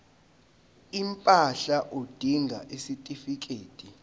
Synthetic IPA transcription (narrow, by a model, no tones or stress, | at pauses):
impʼaɬaʔod̥ʱiŋʱa̰ʔisitʼifik̬ʼeːtʼi